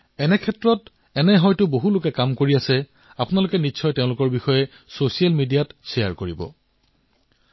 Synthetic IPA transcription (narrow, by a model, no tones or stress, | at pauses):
ɛnɛkʰɛtɹɔt | ɛnɛɦɔjtʊboɦulʊkɛkamkoɹiasɛ | apʊnalʊkɛniʃʰɔjtɛʊ̃lʊkɔɹbixɔjɛ | sosialmidijatsɛja̰ɹkoɹibɔ̰